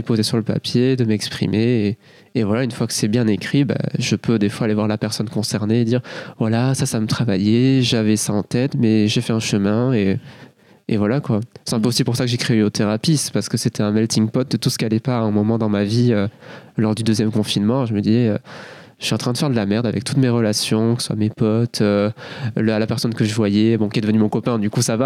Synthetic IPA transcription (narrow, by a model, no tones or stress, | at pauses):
əpozesyʁləpa̰pjed̪əmɛkspχḭmeː | vwalaynfwakə̥sɛbjɛ̃nekχiba̰ʒəpød̪efwaːlevwaʁlapɛʁsɔnkɔ̃sɛʁned̪iʁvwalasasaːmət̪χavajɛʒavɛsaɑ̃t̪ɛt̪mɛʒefɛɛ̃ʃəmɛ̃e | evwalakwasɛ̥t̪ɛ̃pøosipuʁsakəʒekχeeot̪eʁapispaʁsə̥kəset̪ɛɛ̃mɛlt̪iŋpɔt̪̚d̪ət̪usə̥kʲialɛpaɛ̃mɔmɑ̃d̪ɑ̃maviølɔʁd̪yd̪øzjɛmkɔ̃finmɑ̃ʒəməd̪izɛø | ʃɥɛɑ̃t̪χɛ̃d̪əfɛʁd̪əlamɛʁd̪avɛk̚t̪ut̪meʁəlasjɔ̃kə̥səswa̰mepɔt̪ʰøllapɛʁsɔnkəʒəvwajɛbɔ̃kʲiɛd̪əvənymɔ̃kɔpɛ̃d̪ykusava